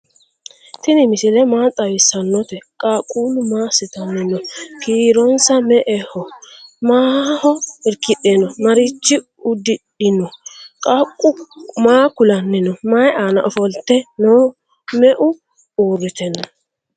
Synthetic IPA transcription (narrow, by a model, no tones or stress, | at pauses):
t̪ɪnɪmɪsɪlɛmaːt̪ʼɐwɪsɐnːɔt̪ɛkʼaːkʼuːlʊmaːsɪt̪ɐnːɪnɔkiːɾɔnsɐmɛʔɛhɔmaːhɔɪɾkɪɗɛnɔmɐɾit͡ʃːɪ | ʊd̪ɪᶑɪnɔkʼakʼʊmaːkʊlɐnːɪnɔmajaːnɐ̰ʔɔfɔlt̪ːɛnoː | mɛʔʊ | uːɾːɪt̪ɛnːɔ